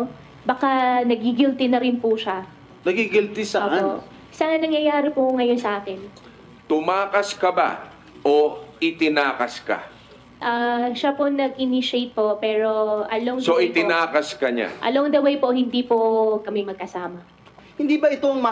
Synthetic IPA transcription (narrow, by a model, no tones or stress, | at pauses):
bɐkanɐɡɪɡɪlt̪ɪnɐɾɪnpʊʃa | nɐɡiɡɪlt̪ɪsɐoʔao | sɐnɐŋjɐjaːɾɪpʊŋɐjonsɐʔaːkɪn | t̪ʊmaːkɐskɐba̰ | ʔoɪt̪ɪnaːkɐska̰ | ʔaʃaponɐɡʔɪniʃejt̪̚po̞pɛːɾo̞ʔɐloŋsoʔɪt̪ɪnaːkɐskɐɲa̰ʔɐ̰loŋd̪ɐwejpo̞hɪnd̪ipokɐmɛmɐɡ̚kɐsaːmɐ | hɪnd̪ibɐɪt̪oɐŋmɐ